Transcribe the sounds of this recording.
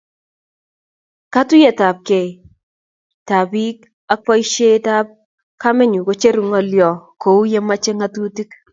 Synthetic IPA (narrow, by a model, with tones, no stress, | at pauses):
ka˦tʊ˦je˨ta˨p̚kɛ˨ | ta˨bi˦k̚ | a˦pɔ˦jʃe˦ta˦p̚ | ka˦mɛ˦ɲu˨ko˨˦t͡ʃe˦ɾu˨ŋɔ˨ljɔ˨kʰo˨u˦je˦ma˦t͡ʃe˦ŋa˦tu˦ti˦k